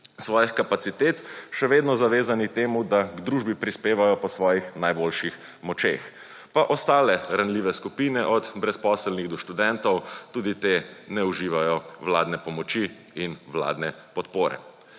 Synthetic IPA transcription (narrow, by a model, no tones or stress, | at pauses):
sʋɔːjixkapat̪sit̪eːt̪ʃɛʋeːd̪nɔzaʋeːzanikt̪eːmud̪aɡd̪ɾuʒbipɾispeːʋajɔpɔsʋɔːjixnajboːlʃix | mɔt͡ʃḛːx | paʔɔst̪aːlɛɾanliːʋɛskupiːnɛʔɔd̪bɾɛspɔːslniɣd̪ɔʃt̪ud̪ɛnt̪ɔwt̪uːd̪it̪eːnɛuʒiːʋajɔʋlaːd̪nɛpɔmɔt͡ʃi | inʋla̰ːd̪nɛ | pɔt̪poːɾɛ̰